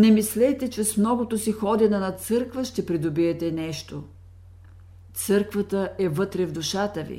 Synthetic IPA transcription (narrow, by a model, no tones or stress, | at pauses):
nɛmislɛt̪ɛt͡ʃɛsmnɔɡʊt̪osixɔd̪ɛnɐnɐt̪sɤɾkvəʃt̪ɛpɾid̪obiɛt̪ɛnɛʃt̪o | t̪sɤɾkvət̪əʔɛvɤt̪ɾɛvd̪ʊʃat̪əvḭ